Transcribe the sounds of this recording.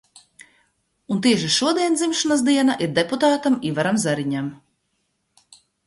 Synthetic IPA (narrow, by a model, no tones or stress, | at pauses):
unt̪iɛʃiʃuɔd̪iɛnd̪zimʃanas̬d̪iɛnaʔiɾd̪eput̪aːt̪amivaɾamzaɾiɲam